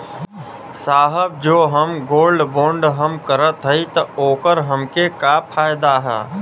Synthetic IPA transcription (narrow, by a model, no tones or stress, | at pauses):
saːɦəb̚d͡ʒoːɦəmɡoːlɖbõːɳɖɦəmkəɾət̪ɦəit̪ɐoːkəɾɦəmkekapʰaːjd̪aɦɛ̰ː